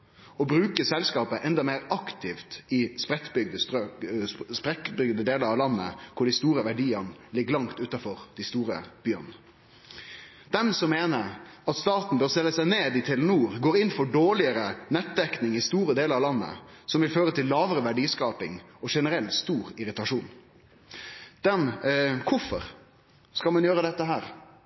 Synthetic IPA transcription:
ɔbɾʉːkəsɛlskɑːpəʔɛnd̪ɑmeːɾɑkt̪ʰɪft̪ɪspɾɛt̪bʏɡd̪ə | spɾɛt̪bʏɡd̪əd̪eːləɾɑʋlɑnːə̰kʰʊɖɪst̪uːɾəʋæɖiːənlɪɡːəlɑŋt̪ʉːt̪ɑfɔɾd̪̥ɪst̪uːɾə̰b̥yːə̰n | d̪ɛmsɔmːeːnəɾɑt̪st̪ɑːt̪n̩bøːst̪ɛlːəsæɪneːd̪ɪt̪ʰɪlnuːɾɡoːɾɪnfɔɖoːɭɪəɾənɛt̪̚d̪ɛknɪŋɪst̪uːɾəd̪eːləɾɑʋlɑnːə̰sɔmʋɪlføːɾət̪ʰɪlːɑːʋəɾəʋæɖiːskɑːpɪ̰ŋɔʂɛnəɾɛlt̪st̪uːɾɪɾɪt̪ɑʂuːn | d̪̥ɛnkʰʊfɔɾ | skɑlmɑnjøːɾəd̪ɛt̪ːəɦæːɾ

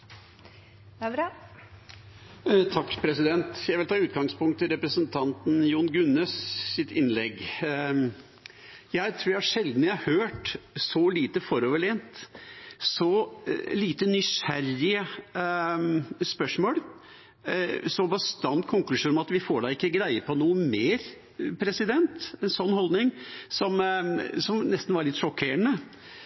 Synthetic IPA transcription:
t̪ʰɑkːpʰɾɛsɪd̪ɛnt̪jæɪʋɪlt̪ʰɑːʉːt̪ɡɑŋspʊŋkt̪ʰːɪlɾɛpɾəsənt̪ʰɑnt̪n̩juːnɡʉnːəssɪt̪ɪnlɛɡ | jæɪt̪ʰɾuːɾjææʂɛld̪n̩jæhɑhøːʈsɔliːt̪əfɔɾoːʋəɭeːnt̪ | sɔliːt̪ənʏɕæɾɪə | spœʂmoːl | sɔbəst̪ɑnt̪kʰʊŋklʉʃuːnmɑt̪ʋɪfoːɖɑɪkːəɡɾæɪəpʰɔnuːəmeːɾ | pʰɾɛsɪd̪ɛnt̪ɛnsɔnːhɔld̪nɪŋsɔmsɔmnɛst̪n̩ʋɑɾɭɪt̪ːʂɔkʰːeːəɳə

